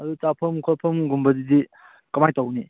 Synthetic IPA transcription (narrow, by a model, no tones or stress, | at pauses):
ɐdut͡ʃapʰɐmkʰopʰɐmɡumbɐdidi | kɐmajtɐwni